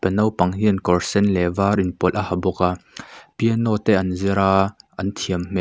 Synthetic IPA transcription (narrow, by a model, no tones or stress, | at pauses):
pənɐwpɐŋɦinkɔrsɛnlɛvaːrʔinpɔlʔahɐbɔkapiənɔt̪ɛʔɐnziɾaːʔɐnt̪ʰiəmmɛʔ